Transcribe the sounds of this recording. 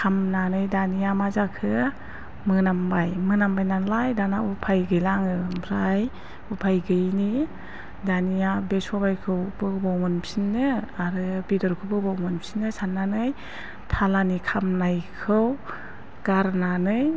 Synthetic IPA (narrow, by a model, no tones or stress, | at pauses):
kʰamnanɯjdanijamazakʰɯ | mɯnambajmɯnambajnanlajdanaupʰajɡɯjlaŋɯbʰɾaj | upʰajɡɯjni | danijabesɔbajkʰɯwbɯbawmɔnpʰinɯaɾɯbidɔɾkʰɯbɯbawmɔnpʰinɯsanːanɯj | tʰalanikʰamnajkʰɯw | ɡ̥aɾnanɯj